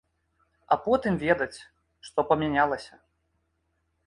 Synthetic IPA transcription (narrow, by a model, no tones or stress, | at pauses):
ɐpɔt̪ɨmvʲɛd̪ɐt͡sʲ | ʂt̪ɔpɐmʲanʲalˠɐsʲɐ